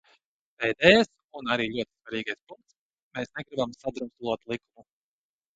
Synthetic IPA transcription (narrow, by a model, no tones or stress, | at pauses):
pɛjd̪ɛːjas | unaɾiːlʲuɔt̪i̥svaɾiːɡajspuŋkt̪s | meːsnɛɡɾibamsad̪ɾust̪lˠuɔt̪lˠikumu